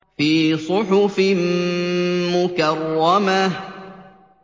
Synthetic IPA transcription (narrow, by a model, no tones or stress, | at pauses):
fiːsˤʊħʊfɪm | mʊkɑrˤːɑma